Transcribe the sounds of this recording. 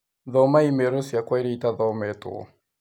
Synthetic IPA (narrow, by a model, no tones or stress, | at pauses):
ðɔmaimɛɾosiakwaiɾiitaðɔmɛto̰